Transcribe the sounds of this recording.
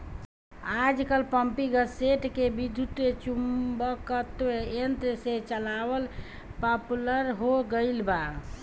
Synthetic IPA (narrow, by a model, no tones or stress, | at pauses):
ad͡ʒkəlpəmpiɡəseʈkebid̪ʱut̪et͡ʃumbəkət̪ʋeent̪set͡ʃəlabəl | papuləɾɦoɡəɪlba